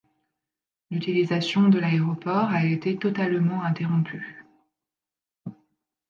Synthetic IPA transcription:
lyt̪ilizasjɔ̃d̪əlaeʁɔpɔʁaet̪et̪ɔt̪almɑ̃ɛ̃t̪eʁɔ̃pʰy

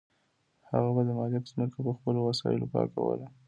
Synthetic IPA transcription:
ha̰ɣabad̪əmɑljakzməkapəxpəlowasɑ̰jɪ̰lopɑ̰ka̰wə̰la

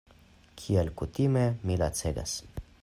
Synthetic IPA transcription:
kʰialkut̪imemila̰t͡seɡa̰s

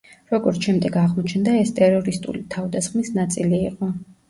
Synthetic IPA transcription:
ɾɔɡɔɾt̪sʰʃɛmd̪ɛɡaʁmɔt͡ʃʰnd̪aɛst̪ʼɛɾɔɾist̪ʼṵlit̪ʰavd̪asχmisnat̪sʼiliːqʼɔ

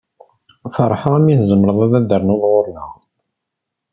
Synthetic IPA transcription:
fəɾˤːħəʁæmiθzəmɾəðˤæðæd̪əɾˤnʊðˤʁoɾləʁ

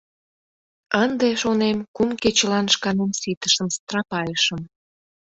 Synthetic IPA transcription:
ənd̪eʃonemkumket͡ɕəlɑnʃkɑnemsit̪əʃəmst̪rɑpɑjəʃəm

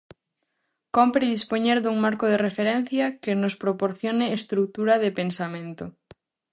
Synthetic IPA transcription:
kompɾiðispoɲeɾðuŋmaɾkoð̞erefeɾɛn̟θjɐkenospɾopoɾθjonɪːst̪ɾuk̚t̪uɾɐðepensamẽnt̪o

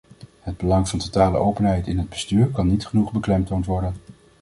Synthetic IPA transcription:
ɦəd̚bəlɑŋvɑntotaːlə̰ʔowpənɦɛjtɪnɦəd̚bəstyːɹkɑnːitχənuχbəklɛmtowntʋɔɹdən

